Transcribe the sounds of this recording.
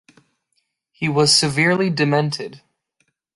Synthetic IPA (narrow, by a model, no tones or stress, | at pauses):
hiwʌz̥sɨvɪɹlidɨmɛ̃ntʰɪd̥